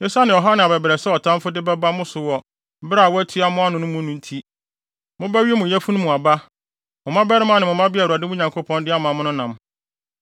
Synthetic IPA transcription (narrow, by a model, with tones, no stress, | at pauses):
jɛ˦sa˦nɪ̃˨ɔ˨ɦa˦nɪ̃˨a˨bɛ˨bɾɛ˨sɛ˦ɔ˨tʰã˦mfʊ˦dɪ˦bɛ˦ba˦mʊ̃˦sʊ˨wɔ˨˦ | ba˦˨wæ˦tʰi˦a˦mʊ̃˦a˦nʊ̃˦nʊ̃˦mʊ̃˦nũ˦n̩˦tʰi˦ | mʊ̃˦bæ˦ɥi˦ɛ˦mʊ̃˨jæ˦fu˦nʊ̃˦mũ˨a˨ba˦ | mʊ̃˨mã˦bɛ˦ɾɪ˦mã˦˨nɪ̃˨mʊ̃˨mã˦bɪ˦a˨u˨a˨dɪ˦mʊ̃˦ɲã˨ŋkʰo˦pʰɔ̃˦ndɪ˦a˦mã˨mʊ̃˦nʊ̃˦nã˨m